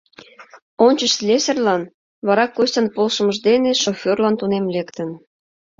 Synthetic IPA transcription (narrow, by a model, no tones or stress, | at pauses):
onʲt͡ɕəʃslʲesʲerlɑn | βɑɾɑkːostʲɑnpolʃə̆məʒd̪eneʃofʲorlɑnt̪unemlekt̪ən